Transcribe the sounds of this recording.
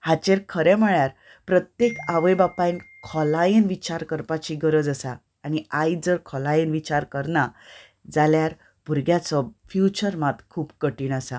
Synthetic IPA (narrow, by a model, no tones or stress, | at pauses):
hat͡ɕeɾkʰəɾɛ̃məɭjaɾ | pɾət̪jekaʋəjbapajn | kʰɔlainʋit͡ɕaɾkəɾpat͡ɕiɡəɾəd͡zəsaː | ñiajd͡zəɾkʰɔlajinʋit͡ɕaɾkəɾna | d͡zaljaɾ | b̥ʱuɾɡjat͡sɔfjut͡ɕəɾmat̪kʰuːpkəʈiːnasa